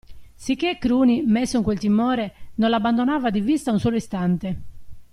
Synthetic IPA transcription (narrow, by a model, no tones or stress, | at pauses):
sikːekːɾuːnimesːoiŋkwelt̪imɔːɾenonlabːand̪onaːvad̪ivist̪aunsɔːloist̪ant̪e